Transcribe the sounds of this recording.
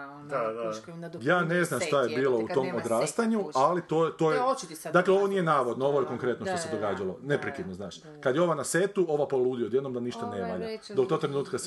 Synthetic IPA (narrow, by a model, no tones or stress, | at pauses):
d̪ad̪ajaːne̞znamʃt̪ajebiːlˠo̞ut̪o̞mod̪ɾaːst̪aɲualit̪oːt̪o̞jed̪akleo̞ʋo̞nijenaːʋo̞d̪noo̞ʋo̞jeko̞ŋkɾe̞t̪no̞ʃt̪ose̞d̪o̞ɡaːd͡ʒalˠo̞ne̞pɾikid̪nozaːʃ | kad̪jeo̞ʋanaset̪uo̞ʋapolˠuːd̪iod̪jed̪no̞md̪aniʃt̪anemaʎad̪okt̪o̞ɡ̚t̪ɾenuːt̪kas